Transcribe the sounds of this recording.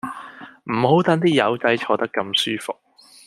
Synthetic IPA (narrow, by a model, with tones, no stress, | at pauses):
m̩˨˩ho˨˥wt̪ɐ˨˥nt̪̬iː˥jɐ˨˥wt͡sɐ˨˥jt͡ʃʰɔː˧t̪ɐ˥kːɐ˧msyː˥fʊ˨k̚